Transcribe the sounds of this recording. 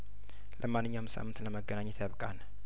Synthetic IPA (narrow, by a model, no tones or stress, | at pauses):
lʔəmanːɨɲːawmsa̰mːɨnt̪ləməɡənaɲːɛt̪ʰjaβkʼan